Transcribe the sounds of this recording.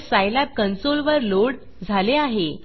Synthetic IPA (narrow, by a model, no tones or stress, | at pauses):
sajlap̚kənsolʋəɾloɽ | d͡zʱaleaɦe